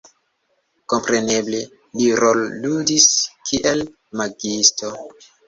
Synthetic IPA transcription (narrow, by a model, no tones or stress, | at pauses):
ko̞mpɾe̞ne̞ble | liɾolːudiskʰiʔe̞l | maɡisto̞